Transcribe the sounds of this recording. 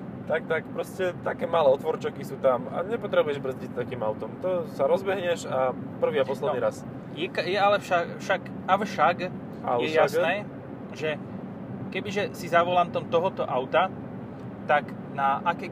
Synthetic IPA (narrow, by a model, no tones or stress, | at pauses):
t̪ak̚t̪akpɾɔscɛt̪akɛːmaːlɛːɔt̪ʋɔɾt͡ʃakisuːt̪ama̰ɲɛpɔt̪ɾɛbujɛʒbɾr̩zɟitt̪akiːmaʊt̪ɔmt̪ɔsaɾɔzbɛɦɲɛʃa | pr̩ʋiːapɔslɛd̪iɾas | jɛkajɛalɛfʃafʃaɡ | afʃaɡ | a̰jɛjasnnɛː | ʒɛ | kɛbiʒɛsizaʋɔlaːnt̪ɔmt̪ɔɦɔt̪ɔʔaʊt̪a | t̪ak | naʔakɛ